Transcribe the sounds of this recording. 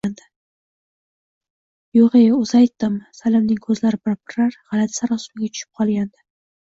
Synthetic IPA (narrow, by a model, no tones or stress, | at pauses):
and̪ɪ | joʁejʊzajt̪ːɪmsalɪmnɪŋkʰɵzlaɾɪpopɾaɾʁɑlat̪saɾɒsʊmɪɡʲat̪ʰʊ̥ʃɪ̥p̚qʰɒlˠɡʲand̪ɪ